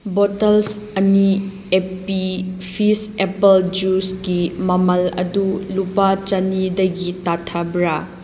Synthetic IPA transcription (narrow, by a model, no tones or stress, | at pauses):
botɐls | ɐni | epipʰisepɐld͡ʒusɡimɐmɐlɐ̰dulupat͡ʃɐnidɐɡitatʰɐbɾɐ